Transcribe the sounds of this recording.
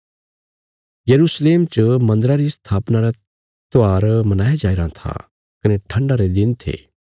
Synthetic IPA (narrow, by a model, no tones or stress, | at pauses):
jɐɾuːsleːmt͡ʃmɐ̃nd̪ɾaɾist̪ʰaːpnaɾa | t̪oaːɾmɐnaːjad͡ʒaːɪɾãt̪ʰa̰ | kɐneʈʰɐ̃ɳɖaɾed̪ɪnt̪ʰḛː